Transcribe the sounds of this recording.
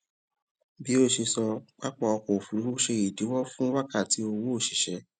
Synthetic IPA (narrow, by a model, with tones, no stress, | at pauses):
bi˨˦o˦˨ʃe˧sɔ˧k͡pa˦k͡pɔ˦˨ɔ˧ko˨fu˨ɾi˨˦ɾo˦ʃe˧i˨di˨˦wɔ˦fũ˦wa˦ka˦˨ti˨˦o˧wo˦˨ʃi˨ʃɛ˨˦